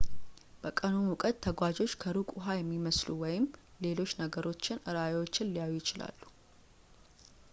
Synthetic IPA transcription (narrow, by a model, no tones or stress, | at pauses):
b̥əkʼənunʊkʼət̪ʰːəɡʷad͡ʒo̞t͡ʃːkʰəɾukʼʊɦajɛmːiməslṵwɔjɪm | le̞lo̞t͡ʃːnəɡəɾo̞t͡ʃːɪnʔɨɾajewo̞t͡ʃːɪnlijajujɪt͡ʃɪla̰lːu